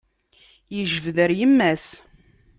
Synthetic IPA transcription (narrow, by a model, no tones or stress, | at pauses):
jəʒəvðəɾjəmːæs